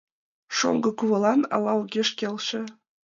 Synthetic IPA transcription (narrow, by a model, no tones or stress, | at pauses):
ʃo̰ŋɡɤ̆kuβɤ̆lˠɑnɑ̰lɑuɣʲeʃkʲelʲʃĕ